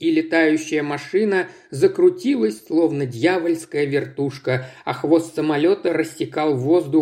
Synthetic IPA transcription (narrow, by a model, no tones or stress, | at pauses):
ilʲɪt̪ajʉɕːɪjəmɐʂɨnə | zəkɾʊtʲilˠəsʲsslˠo̞vnədʲjavəlʲskəjəvʲɪrt̪uʂkəɐxvo̞st̪səmɐlʲo̞t̪əɾəsʲtːʲɪkɑlˠvo̞zd̪ʊ